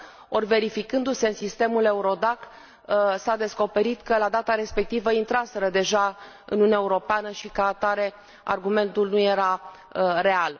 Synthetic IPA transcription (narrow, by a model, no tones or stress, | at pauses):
o̞rʲve̞ɾifikɨnd̪use̞ɨnsist̪e̞mule̞uɾo̞d̪ak | sad̪e̞sko̞pe̞ɾit̪kəlad̪at̪aɾe̞spe̞k̚t̪ivəint̪ɾase̞ɾəd̪e̞ʒa | ɨ̰nuunʲaeuɾo̞peanəʃikəat̪aɾe̞ | a̰rɡume̞nt̪ulnuje̞ɾa | re̞al